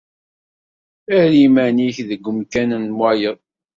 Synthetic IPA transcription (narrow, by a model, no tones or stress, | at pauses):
æhlimæniçðəɡʷːəmkænənmwæjəðˤ